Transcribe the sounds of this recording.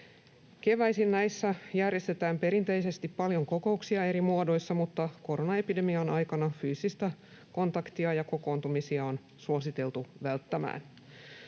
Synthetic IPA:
ke̞ʋæisinnæjsːæjærje̞st̪e̞t̪æːmpe̞ɾint̪e̞jse̞st̪ippɑljo̞ŋko̞ko̞uksiɑe̞ɾimuodo̞jsːɑmut̪ːɑko̞ɾonɑe̞pide̞miɑnɑjkɑnɑfyːsist̪æ | ko̞nt̪ɑkt̪iɑjɑko̞ko̞ːnt̪umisiɑon | suosit̪e̞lt̪uʋælt̪ːæmæ̰ːn

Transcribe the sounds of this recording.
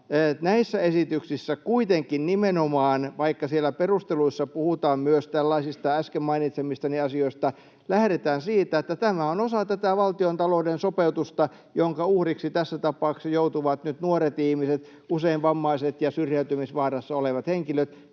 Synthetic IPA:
enæisːæesit̪yksisːækuit̪eŋkinnimenomɑːnʋɑikːɑsielːˑæperust̪eluisːɑpuhut̪ɑːmmyøst̪ælːɑisist̪ɑæskemmɑinit̪semist̪æniɑsioist̪ɑ | læhɾet̪æːnsiːt̪æet̪ːæt̪æmæonosɑt̪æt̪æʋɑlt̪iont̪ɑloːdensopeut̪ust̪ɑ | joŋkɑuhriksit̪æsːæt̪ɑpɑˑuksɑjout̪uʋɑt̪nyt̪nuoret̪ihmiset̪ | useinʋʋɑmːɑiset̪jɑsyrjæyt̪ymisʋɑːrɑsːɑoleʋɑt̪heŋkiløt̪

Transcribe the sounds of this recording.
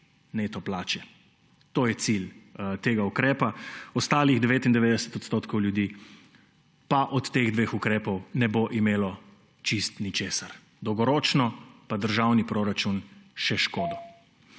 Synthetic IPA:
neːt̪ɔplaːt͡ʃɛ | t̪oːjɛt̪silt̪eːɡaukɾɛːpaɔst̪aːliɣd̪ɛʋeːt̪ind̪ɛʋeːd̪ɛsɛ̥t̪ɔt̪st̪oːt̪kɔwljud̪iː | paʔɔt̪ːeːɣd̪ʋeːxukɾɛːpɔwnɛboʔimeːlɔ | t͡ʃist̪nit͡ʃeːsaɾ | d̪ɔwɡɔɾɔːt͡ʃnɔpad̪əɾʒawnipɾoɾat͡ʃunʃɛʃkoːd̪ɔ

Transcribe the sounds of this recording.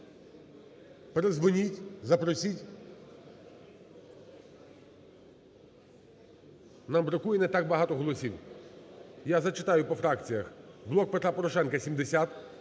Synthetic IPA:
peɾezʋʊnʲitʲzɐpɾɔsʲitʲ | nɐbɾɔkujɛnɛt̪ak̚bɐɦɑt̪ɔɦɔlˠɔsʲiw | jazɐt͡ʃɪt̪ɑjʊpɔfɾɑkt͡sʲijɐxblˠɔk̚pet̪ɾapɔɾɔʃɛnkɐsʲimd̪esʲat̪

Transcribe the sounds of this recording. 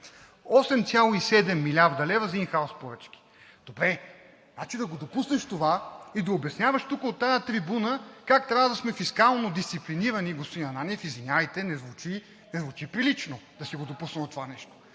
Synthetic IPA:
ɔsɛmt̪sʲalˠoisɛd̪ɛmːilʲaɾd̪ɐlɛvəzinxaospoɾət͡ʃk̟i̥ | d̪̥obɾɛ | nat͡ʃid̪ɐɡod̪opusnɐʃt̪ovaid̪ɐobjɐsnʲavɐʃt̪ukəot̪ːajət̪ɾibunəkakt̪ɾʲavəd̪ɐsmɛfiskalˠnod̪ist̪sipliniɾəniɡospod̪inɐnaniɛfizvinʲjavəjt̪ɛnɛzvut͡ʃi | nɛzvut͡ʃipɾilit͡ʃnod̪ɐsiɡod̪opusnəmot̪ːovanɛʃt̪o̥

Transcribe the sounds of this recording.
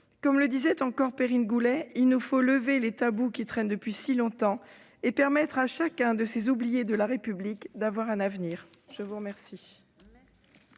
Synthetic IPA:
kɔmləd̪izɛt̪ɑ̃kɔʁpeʁinɡulɛilnufoləvelet̪abukʲit̪χɛnd̪əpɥisilɔ̃t̪ɑ̃ | epɛʁmɛt̪χaʃakʲɛ̃d̪əsezublijed̪əlaʁepyblikd̪avwaʁɛ̃navniːʁ | ʒ̥əvuʁəmɛʁsi

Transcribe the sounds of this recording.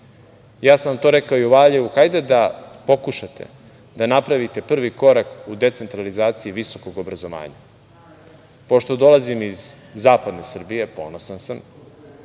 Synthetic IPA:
jaːsamt̪o̞ɾekaojuʋaːʎeʋuxajd̪ed̪apo̞kuʃat̪ʰe̞̰ | d̪anapɾaʋit̪e̞pr̩ʋiko̞ɾakud̪e̞t̪se̞nt̪ɾalizaːt̪sijiʋiso̞ko̞ɡobɾazo̞ʋa̰ːɲa̰ | po̞ʃt̪o̞d̪o̞lazimizː | aːpad̪ne̞sr̩bije̞po̞̰ːnosansam

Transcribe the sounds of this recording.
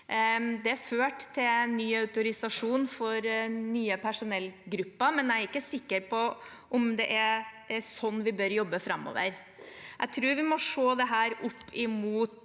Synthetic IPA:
d̪ɛæføːʈt̪ʰːɪlɛnːyːɑʉt̪ʊɾɪsɑʂuːnfɔɾnyːəpʰæʂʊnɛlːɡɾʉpːɑmɛnæɾɪkːəsɪkːəɾpʰɔ | ʔɔmd̪ɛʔæ | sɔnːʋɪbœɾjɔbːəfɾɑmːo̰ːʋə̰ɾ | jʔæ̰ɪt̪ʰɾʉːɾʋɪmɔʂoːd̪ɛɦæːɾʊpːʰɪmuːt̪

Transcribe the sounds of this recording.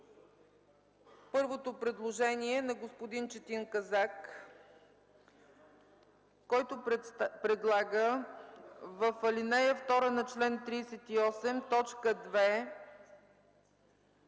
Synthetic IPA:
pɤɾvot̪opɾɛd̪lˠoʒɛniɛnɐɡospod̪int͡ʃɛt̪iŋkɐzak | ɔjt̪opɾɛd̪lˠaɡə | vəfɐlinɛjəft̪ɔɾənɐt͡ʃlɛnt̪ɾiːsɛt̪iɔsɛmt̪ɔt͡ʃkəd̪vɛ

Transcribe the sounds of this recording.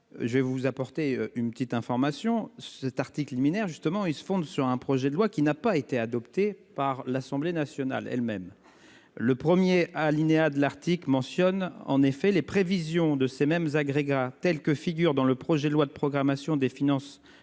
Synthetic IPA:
ʒəvɛvuzapɔʁt̪eynpət̪it̪ɛ̃fɔʁmasjɔ̃sɛt̪aʁt̪iklliminɛʁʒyst̪əmɑ̃ilsə̥fɔ̃d̪syʁɛ̃pχɔʒɛd̪əlwakʲinapaet̪ead̪ɔpt̪epaʁlasɑ̃blenasjɔna̰lɛ̰lmɛm | ləpχəmjealinead̪əlaʁt̪iklmɑ̃sjɔnɑ̰̃nefɛlepχevizjɔ̃d̪əsemɛmzaɡʁeɡat̪ɛlkəfiɡʲyʁd̪ɑ̃ləpχɔʒɛd̪əlwad̪əpχɔɡʁamasjɔ̃d̪efinɑ̃s

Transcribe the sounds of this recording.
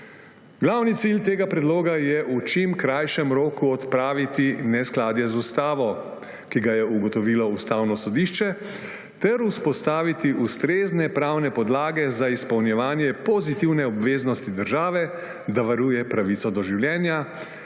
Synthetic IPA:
ɡlawnit̪silt̪eːɡapɾɛd̪loːɡajɛʔut͡ʃimkɾajʃɛmɾoːkuɔt̪pɾaːʋit̪inɛsklaːd̪jɛzust̪aːʋɔ | kiɡajɛuɡɔt̪ɔʋilɔust̪aːwnɔsɔd̪iːʃt͡ʃɛ | t̪ɛɾuspɔst̪aːʋit̪iʔust̪ɾeːznɛpɾawnɛpɔd̪laːɡɛzaispɐwnjɛʋaːnjɛpɔzit̪iwnɛɔbʋeːznɔst̪id̪əɾʒaːʋɛ | d̪aʋaɾuːjɛpɾaʋit̪sɔd̪ɔʒiwljɛːnja

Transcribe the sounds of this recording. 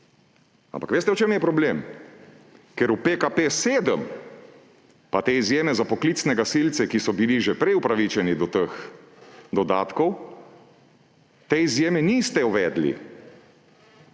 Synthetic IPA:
a̰mpḁkʋeːst̪ɛɔt͡ʃemjɛpɾɔblem | kɛɾupekapeːseːd̪əm | pat̪eːizjeːmɛzapɔklit̪snɛɡasilt̪sɛkisɔbiliʒɛpɾɛjupɾaʋit͡ʃɛnid̪ɔt̪əx | d̪ɔd̪aːt̪kɔw | t̪eizjeːmɛnist̪ɛuʋɛːd̪lḭ

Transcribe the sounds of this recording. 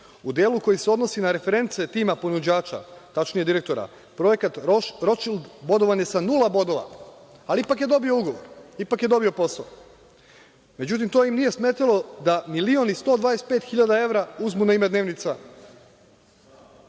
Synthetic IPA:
ud̪jeːluko̞jiseono̞sinaɾe̞fe̞ɾe̞nt̪se̞t̪iːmapo̞nud͡ʑaːt͡ʃa̰t̪at͡ʃnije̞d̪iɾe̞k̚t̪o̞ɾa̰ | pɾo̞je̞kat̪ɾo̞t͡ʃild̪bo̞d̪o̞ʋanje̞sanulˠabo̞d̪o̞ʋa̰ | aliipakjed̪o̞bio̞uɡo̞ʋoɾipakje̞d̪o̞bio̞po̞sao | me̞d͡ʑut̪̬imt̪oimnije̞sme̞ːt̪alˠo̞d̪amilio̞nist̪o̞d̪ʋaːde̞st̪̚pet̪xiʎad̪ae̞ʋɾauzmunaimed̪neʋnit̪sa

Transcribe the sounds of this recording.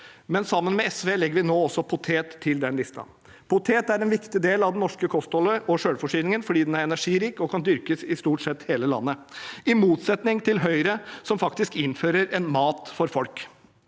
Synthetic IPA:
mɛnsɑmːənmɛɛsʋeːlɛɡːəɾʋɪnoːɔsːɔpʰʊt̪ʰeːt̪ʰːɪld̪ɛnlɪst̪ʰɑ̰ | pʰʊt̪ʰeːt̪æɾɛnʋɪkt̪ɪd̪eːlɑʋd̪ɛnnɔʂkəkʰɔst̪ɔləʔɔʂøːɽfɔʂiːnɪŋənfɔɖiːd̪ɛnæɾɛnæʂiːɾiːkɔkʰɑnd̪ʏɾkəsɪst̪uːʈsɛt̪ːheːləlɑ̰nːəɪmuːt̪sɛt̪nɪŋt̪ʰɪlɦœʏɾəsɔmfɑkt̪ɪskɪnføːɾəɾɛnmɑːt̪fɔɾfɔlk

